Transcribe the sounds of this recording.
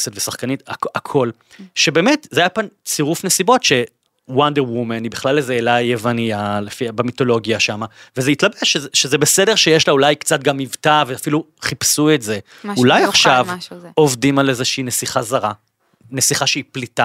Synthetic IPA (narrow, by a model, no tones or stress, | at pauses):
setvesaχkanitaakʰo̞l | ʃebe̞ːmetzeajapant͡siʁufnesibo̞tʃe̞ | wandeʁwumenibiχlalezeːlajevanialefiabemito̞lo̞ɡjaʃamavezeitlabeʃezʃezebesedeʁʃejeʃlaulajkt͡sat̚ɡamːivtaveafiluχipsuetze̞ | ulajaχʃavo̞vdimalezeʃiinesiχazaʁa | nesiχaʃeiplita